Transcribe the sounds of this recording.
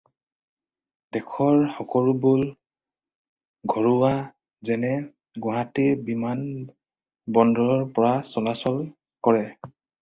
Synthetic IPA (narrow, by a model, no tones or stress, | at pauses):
d̥ɛkʰɔɹxɔkɔɹubul | ɡʱɔɹua | zɛnɛ | ɡɔɦatiɹbiman | bɔndɔɹɔɹpɔɹasɔlasɔl | kɔɹɛ